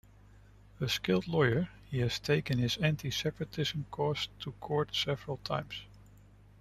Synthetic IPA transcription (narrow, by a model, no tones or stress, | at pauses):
əskɪlˠdˡlɔɪə˞ | hiɨz̥tʰeɪkɨ̃nɪzæ̃ntʰisɛpɹɨtʰɪzə̃mkʰɔstʰəkʰɔɹtsɛvəɹəlˠtʰã̰ɪ̃mz̥